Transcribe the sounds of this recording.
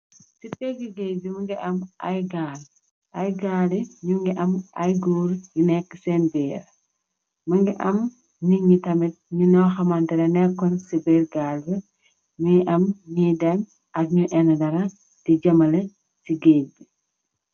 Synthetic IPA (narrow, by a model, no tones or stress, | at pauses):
sipeɡiɡebimɐŋɡiʔɐmʔɐjɡaːl | ʔɐjɡaːliɲuŋɡiʔɐmʔɐjɡuːɾjinɛkːəsɛnbɛːɾ | mɐŋɡiʔɐm | niɲitɐmit̚ɲunɔxɐmɐntɛdɐnɛkːɔnsibeɾɡaːlbɛ | ɲiʔɐmɲidɐm | ʔɐk̚ɲuʔɛnɐdɐɾɐ | tiɟɐmɐlɐ | siɡebi